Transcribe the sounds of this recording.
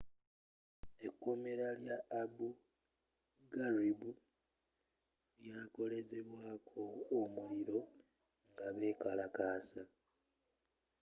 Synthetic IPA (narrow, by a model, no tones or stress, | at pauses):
e̞kːumeɾaljaːbu | ɡaribu | ljaːko̞le̞ze̞βwaːkʰo̞ːmuliɾo̞ | ŋɡaβe̞ːkalakaːsa